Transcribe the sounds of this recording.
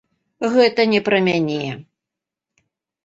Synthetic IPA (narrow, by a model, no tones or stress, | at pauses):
ɣɛt̪ɐnʲɛpɾɐmʲanʲeɛ